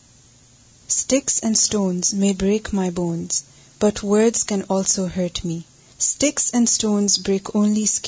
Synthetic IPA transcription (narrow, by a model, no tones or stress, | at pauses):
stɪksɛ̃nɖstõːnzmeːbɹeːkmaɪbõːnz̥ | b̥ʌtʰwɜ˞dz̥kɛ̃nɔːlsohɜɹʈʰmi | stɪksɛ̃nɖstõːnzbɾeːkʰõːnlisk